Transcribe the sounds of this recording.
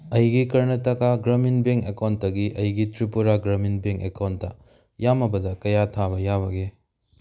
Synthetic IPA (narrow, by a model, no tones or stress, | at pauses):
ɐjɡikɐɾnɐtɐkaɡɾɐminbeŋkekawntːɐɡiʔɐjɡitɾipuɾaɡɾɐminbeŋkekawntːɐ̰ | jamɐbɐdɐkɐjatʰabɐjaβɐɡe